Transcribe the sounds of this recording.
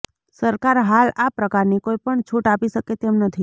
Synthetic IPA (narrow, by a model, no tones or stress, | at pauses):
səɾkaɾɦalapɾəkaɾnikoipəɳt͡ʃʰuʈapiʃəket̪emnət̪ʰi